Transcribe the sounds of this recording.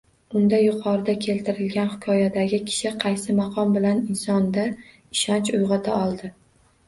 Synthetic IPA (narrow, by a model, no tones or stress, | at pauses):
ʊnd̪ajʊqʰɒɾɪd̪akʲʰe̞lt̪ʰɪɾɪlɡʲanhʊkʲʰɒjad̪aɡʲɪkʲʰɪ̥ʃɪqʰɑjsɪmɑqʰɒmbɪlanɪnsɒnd̪a | ɪʃɒnt͡ʃʊjʁɑt̪ʰaɒlˠd̪ɪ